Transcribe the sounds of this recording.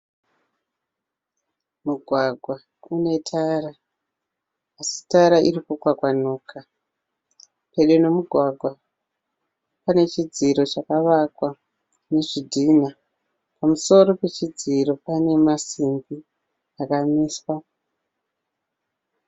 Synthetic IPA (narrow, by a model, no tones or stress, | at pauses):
muɡʱwaɡʱwa | une̞tʰara | si̥taɾaʔiɾikukwakwanoːkʰa | pe̞ɗeno̞muɡʱwaɡʱwa | pane̞t͡ʃid͡ziɾo̞t͡ʃakaʋakwa | ne̞ʐidʱina | pamuso̞ɾo̞pe̞t͡ʃid͡ziɾo̞pane̞masimbi | akamiːswa